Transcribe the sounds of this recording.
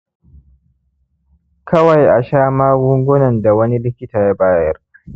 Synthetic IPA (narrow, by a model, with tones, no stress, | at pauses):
kʰɐ˦wa˨jʔa˨ʃaː˦maː˦ɡʊ˦ŋɡʷʊ˦nɐ˨nda˨wɐ˦ni˦lɪ˦kʲɪ˦taː˨ja˦baː˦jjɐ˦r